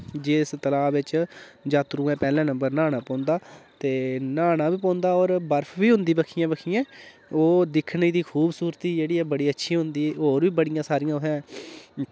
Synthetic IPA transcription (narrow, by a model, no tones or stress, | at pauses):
d͡ʒeːɪst̪əlaːʋɪt͡ʃd͡ʒaːt̪ɾũːɛ̃ːpɛːlɛ̃ːnəmbəɾnaːñaːpɔ̃ːnd̪aːt̪eːnaːnaːʋiːpɔ̃ːnd̪aːɔːɾbəɾpʰʋiːɦʊ̃nd̪iːbəkʰijãːbəkʰiːɛ̃ː | oːd̪ɪkʰniːd̪iːkʰuːbsuːɾt̪iːd͡ʒeːɽiːɛːbəɽiːətːʃʰiːɦʊnd̪iːoːɾʋiːbəɽɪjãːsaːɾɪjãːʊɦɛ̃ː